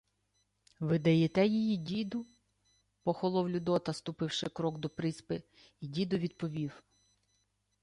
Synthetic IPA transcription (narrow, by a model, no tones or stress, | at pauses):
ʋɪd̪ɐjɛt̪ɛjijidʲid̪ʊ | pɔxɔlˠɔwlʲʊd̪ɔt̪ɐst̪ʊpɪwʃɪkɾɔɡd̪ɔpɾɪspɪ | idʲid̪ʊʋʲid̪̚pɔʋʲiw